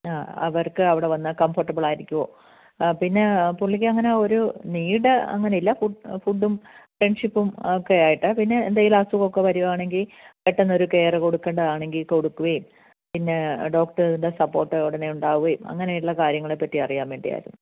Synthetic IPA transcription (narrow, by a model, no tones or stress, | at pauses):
aːɐ̰ʋɐrkɨɐʋiɽe̞ʋɐnːɨkɐmfɐrʈːɐbɨɭaːiɾikʲːuʋoː | pinːe̞puɭːik̬ʲːɨɐŋːɐneoɾuniːɽɨɐ̰ŋːɐneilːafufuɖːumfreɳɖʂipːumokːejaːjiʈːɨpinːe̞ːnd̪aːjilasuɣo̞kːe̞ʋɐɾuʋaːɳe̞ŋɡilkeʈːɐnːɐo̞ɾuke̞ːreko̞ɽukːeɳɖɐðaːɳe̞ŋɡilko̞ɽukːuʋɐjum | pinːe̞ɖo̞ːkʈɐɾind̪esɐpːo̞ːrʈːɐoʋɽɐnːejuɳɖaːɣuʋɐjumɐ̰ŋːɐneiʈuɭːɐkaːɾjɐŋːɐɭepːɐt̪ːiɐrijaːmʋeːɳɖḭja̰ːjḭɾṵnːu